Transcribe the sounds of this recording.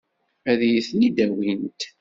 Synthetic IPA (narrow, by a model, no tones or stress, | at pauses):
æðjiθnid̪æwint̪